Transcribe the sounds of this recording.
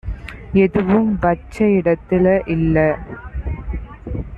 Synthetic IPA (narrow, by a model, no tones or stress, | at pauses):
ɛðɯʋɯmbɐt͡ʃːɐɪɽɐt̪ːɪlɐʔɪlːɐ